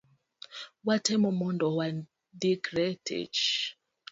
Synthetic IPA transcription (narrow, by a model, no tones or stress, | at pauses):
watʰɛmɔmɔndɔwa | dikɾɛtʰḛt͡ʃ